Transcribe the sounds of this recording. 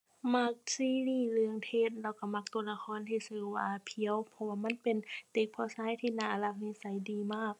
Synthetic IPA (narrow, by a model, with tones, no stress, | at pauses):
ma˧˩k̚siː˧˥˨liː˧˩lɯ˧əŋt̪ʰeː˧˩˨t̪̚lɛː˧˩wka˧˩ma˧˩k̚t̪u˧˩əna˧kʰɔː˧˥˨nt̪ʰiː˧˩sɯː˧˩waː˧pʰi˧˦ə˨wpʰɔ˧waː˧ma˧˥˨npe˨nt̪e˧˦k̚pʰɔː˧˥˨saː˧˥˨jt̪ʰiː˧˨naː˧˩ʔla˧˩k̚niː˧˥˨sa˨˦jdiː˨˦maː˧˥˩k̚